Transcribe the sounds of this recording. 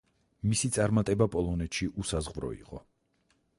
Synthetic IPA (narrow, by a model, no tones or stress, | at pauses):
misit̪sʼaɾmat̪ʼɛbapʼɔlˠɔnɛt̪ʃiʔusazʁvɾɔ̰ḭqʼɔ